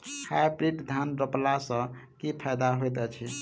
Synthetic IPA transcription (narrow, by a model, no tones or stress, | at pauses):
hajbɾiʈd̪ʱanɾəplasə̃kipʰajd̪aɦojt̪ɛt͡ʃʰi